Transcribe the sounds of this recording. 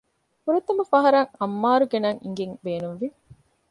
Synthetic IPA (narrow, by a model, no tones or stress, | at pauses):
puɾɐt̪ːɐmɐfɐɦɐɾɐŋɐmːaːɾuɡenɐŋḭŋɡeŋbeːnumʋi